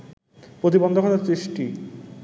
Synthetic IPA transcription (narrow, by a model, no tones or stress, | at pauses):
pɾot̪̬ibond̪ʱokʰɔt̪aɾsɾiʃʈi